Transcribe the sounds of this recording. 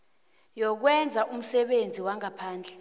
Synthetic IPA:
jɔk̬wɛnd͡zʱaʔum̩sɛɓend͡zʱiwaŋapʰaːnd͡ɮʱɛ

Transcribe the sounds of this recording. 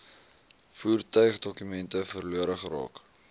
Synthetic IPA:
fuːrtœɥχdɔkymɛntəfərluəɾəχrɑ̰ːk

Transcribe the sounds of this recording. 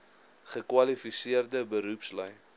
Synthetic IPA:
χəkwɐlifisiərdəbəɾupslœj

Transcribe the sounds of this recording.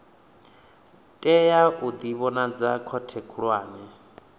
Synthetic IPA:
tʼɛjaʔud̪iβɔnad͡zakʰɔtʰɛkʰuɺwaːnɛ

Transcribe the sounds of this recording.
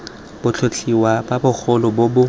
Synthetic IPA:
b̥ʊt͡ɬʰot͡ɬʰiwababʊk͡xʰʊlɔbobʊ

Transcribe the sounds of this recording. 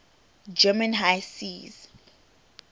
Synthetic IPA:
d͡ʒɛmãnɦajsiz

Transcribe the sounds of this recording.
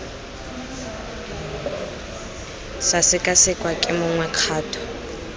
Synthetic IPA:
sasɪkʼasɪkʼwakʼɪmʊŋwɛq͡χʰaːtʰʼɔ̥

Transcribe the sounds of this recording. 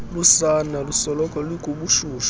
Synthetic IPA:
lusanalusɔlɔkʼɔliɡ̥ʱʼuɓuʃuːʃ

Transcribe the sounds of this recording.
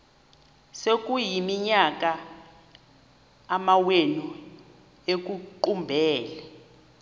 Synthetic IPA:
sek̬ʼujimiɲak̬ʼa | mawenu | ek̬uǃumbʱɛːlɛ

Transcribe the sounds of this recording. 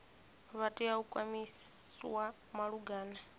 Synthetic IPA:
βatʼiaukʼwamiswa | maɺuɡaːna

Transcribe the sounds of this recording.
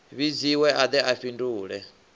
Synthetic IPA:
βid͡ziwɛʔad̪ɛʔaɸinduːɺɛ

